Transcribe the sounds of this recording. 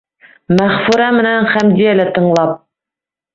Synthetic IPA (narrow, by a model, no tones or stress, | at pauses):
mæχfʉɾæmɘ̆nænχæmd̪ijælæt̪ɤ̆ɴlˠɑp̚